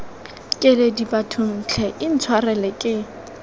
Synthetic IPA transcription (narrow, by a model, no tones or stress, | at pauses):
kʼɪledipʼatʰʊn̩t͡ɬʰɛʔɪn̩t͡sʰwarɛlɛkʼɪ